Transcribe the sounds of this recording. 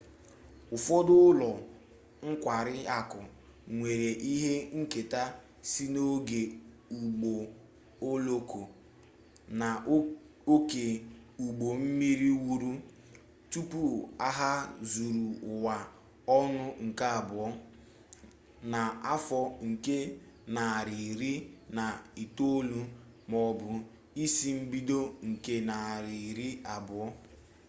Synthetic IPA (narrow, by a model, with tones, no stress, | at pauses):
ʊ˨fɔ˦dʊ˦lɔ˨ | ŋ̩˦kʷa˨ɾɪ˦a˨kʊ˨ | ŋʷe˨ɾe˨ʔi˦ɦe˦ŋ̩˦ke˨ta˦ | si˦no˦ɡe˨ | u˨ɡ͡bo˨ | o˦lo˦ko˨ | na˨ | o˦ke˨ | u˨ɡ͡bo˨m̩˦mi˦ɾi˦wu˦ɾu˦ | tu˦pu˦a˦ɦa˦zu˨ɾu˨ʊ˨wa˨ | ɔ˦nʊ˦ŋ̩˨ka˦a˨bʊ˨ɔ˦ | na˨a˦fɔ˦ŋ̩˨ke˦ | na˨ɾi˨ɾi˦na˨i˨to˦lu˦ | mɔ˨bʊ˨ | i˦si˦m̩˦bi˦do˦ŋ̩˨ke˦na˨ɾi˨ɾi˦a˨bʊ˨ɔ˦